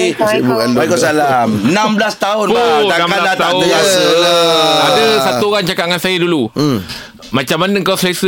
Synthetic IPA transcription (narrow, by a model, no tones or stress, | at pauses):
bukaaikɔsalamənamblast̪aʊnnãmaladat̪aa | adasat̪uoɣaŋt͡ʃakat̚ŋansajədulu | mãt͡ʃamːanaŋkawslasə